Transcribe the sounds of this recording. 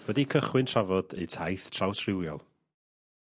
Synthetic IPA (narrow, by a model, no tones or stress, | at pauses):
vədikʰəχwɪntʰravɔdḛjtʰajθtʰrawsʰrɪwjɔ̰lˠ